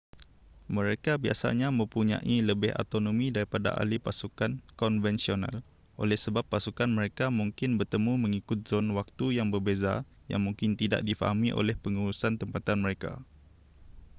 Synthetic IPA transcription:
mə̃ɾekabia̰sa̰ɲãmə̃mpuɲã̰ʔiləbɪha̰t̪onõmĩdaɾipada̰ʔa̰lipasukankɔnvɛnsionã̰l | ʔo̰lɛhsəbapːasukanmə̃ɾekamũŋkɪnbərt̪əmũmə̃ŋikʊt̪̚z̥onwak̚t̪ujaŋbərbeza | ja̰ŋmũŋkɪnt̪ida̰ʔ̚difa̰ɦamĩʔo̰lɛhpəŋuɾusant̪əmpat̪anmə̃ɾeka̰

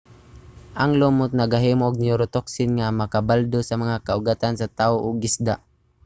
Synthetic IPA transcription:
ʔaŋlomʊt̪̚naɡaɦiːmoʔːɡ̚nɪʊɾot̪oksɪnŋamɐkabald̪osamaŋakaʊɡat̪ansat̪aːoʔʊɡɪsd̪aʔ

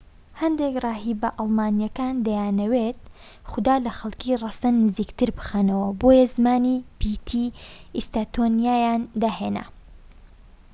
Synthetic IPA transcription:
hɐnd̪ekrˤɑːɦiːbɐʔɑlˠmaːnjɐkaːnd̪ɐjaːnɐwet̪̚ | χʊd̪aːlɐxɐlˠkiːrɑsɐnːɨziːkt̪ɨɾbɨ̥xanɐwɐboːjɐzmaːnipit̪ʰiist̪at̪ʰonijaːjaːnd̪aːɦeːnɐ̰

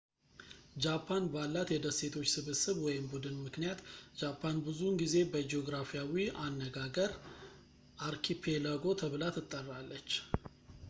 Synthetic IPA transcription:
d͡ʒapʰːanbalːat̪jɛd̪əsːe̞t̪ʰo̞t͡ʃːsɨβɨsɨβwɔjɪmbud̪ɨnmɨknijat̪d͡ʒapʰːanbɨzunɡize̞bəd͡ʒeoɡɾafijawianːəɡaɡəɾ | ʔaɾkʰipʰe̞ləɡo̞t̪ʰəβɨlat̪ɨt̪ʼːərːalːət͡ʃː

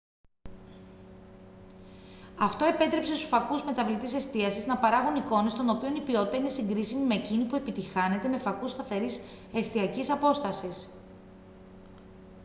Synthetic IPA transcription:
ɐft̪o̞e̞pe̞t̪ɾe̞pse̞st̪u̥sfɐkuzme̞t̪ɐvlit̪ise̞st̪iɐsiznɐpɐɾɐɣuniko̞ne̞st̪o̞no̞pio̞nipio̞t̪it̪ɐine̞siŋɡɾisimime̞cinipue̞pit̪ixɐne̞t̪e̞me̞fɐkust̪ɐθe̞ɾis | e̞st̪iɐcisɐpo̞st̪ɐsis

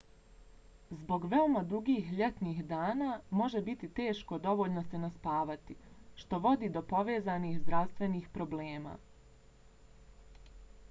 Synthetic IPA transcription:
zbo̞ɡʋeomad̪uɡiːxʎe̞t̪nixd̪aːnaːmo̞ʒe̞bit̪it̪e̞ːʃkod̪o̞ʋo̞ːʎnosenaspaːʋat̪iʃt̪o̞ʋo̞d̪iːd̪o̞po̞ʋe̞ːzaniːxzd̪ɾaʋst̪ʋe̞niːxpɾo̞bleːma̰ː

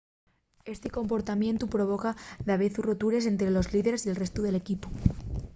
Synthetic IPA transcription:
e̞st̪eko̞mpo̞ɾt̪amjẽ̞nt̪upɾoβ̞o̞kaðaβeθurot̪uɾe̞s̬e̞nt̪ɾelo̞zliðeɾesie̞lrest̪uðe̞le̞kipo

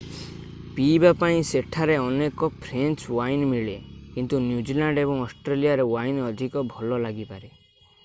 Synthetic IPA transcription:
pibapaĩseʈʰaɾeɔnekɔpʰɾenswajnmiɭekint̪unjud͡ʒilaɳɖebɔŋɔsʈɾelijaɾewajnɔd̪ʱikɔbʱɔlɔlaɡipaɾe

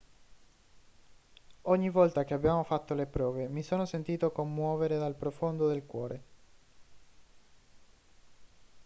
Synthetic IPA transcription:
oɲːivɔlt̪ak̟eabːjaːmofat̪ːolepɾɔːvemisoːnosent̪iːt̪okomːwɔːveɾed̪alpɾofond̪od̪elkwɔːɾe

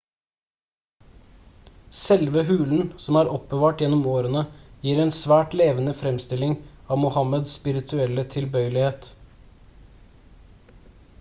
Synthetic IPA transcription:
sɛlʋəhʉːln̩sɔmæːɾʔɔpːəʋɑːʈjɛnːɔmoːɾənəjiːɾɛːnsʋæːʈleːʋənəfɾɛmst̪ɪlɪŋɑːʋmʊhɑməd̪sspɪɾɪt̪ʰʉɛlːət̪ʰɪlbœʏəlɪheːt̪

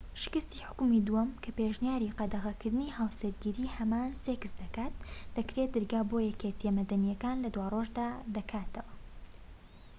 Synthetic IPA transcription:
ʃɪ̥kɨst̪iħʊ̥kmid̪uwɐmkʰɐpeʒnjaːɾiqɐd̪ɐɣɐkɨɾd̪ɨnihaːwsɐɾɡiɾiːhɐmaːnseːkɨsd̪ɐkaːt̪̚d̪̥ɐkɾet̪̚ɨɾɡaːboːjɛket̪ʰijɛmɐd̪ɐnijɐkaːnlɐd̪waːroʒd̪aːd̪ɐkʰaːt̪ʰɐwɐ

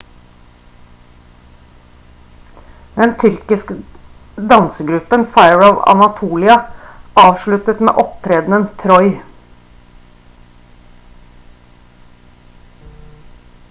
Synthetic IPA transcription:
d̪ɛnt̪ʰʏɾkɪsk | d̪ɑnsəɡɾʉpənfæɪəɹɑːʋɑ̰nɑt̪ʰuːlɪɑʔɑːʋʃɭʉt̪ət̪mḛːʔɔp̚t̪ʰɾeːd̪nənt̪ʰɾɔʏ

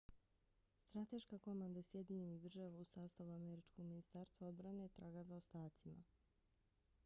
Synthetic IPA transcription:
st̪ɾat̪e̞ʃkako̞mand̪asje̞d̪iɲe̞niɣd̪r̩ʒaʋausaːst̪aʋuameɾit͡ʃko̞ɡminist̪aɾst̪ʋao̞d̪bɾanet̪ɾʔaːɡazaost̪aːt̪sima̰

